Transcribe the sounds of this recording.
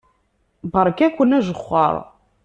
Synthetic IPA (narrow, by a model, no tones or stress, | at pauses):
bəɾˤkækʷːənæʒəχːə̰ɾˤ